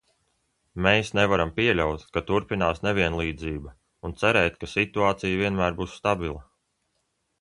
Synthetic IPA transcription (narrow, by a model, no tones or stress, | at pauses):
mejsnɛvaɾampiɛlʲawt̪kat̪uɾpinaːsnevʲiɛnlˠiːd̪ziːba | unt̪sæɾɛːt̪kasit̪uaːt̪sijviɛnmæːɾbuːsst̪abilˠa